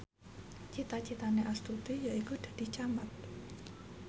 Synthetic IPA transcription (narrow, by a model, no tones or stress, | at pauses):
t͡ʃit̪at͡ʃit̪aneʔast̪ut̪ijaikud̥a̤d̪̥i̤t͡ʃamat̪̚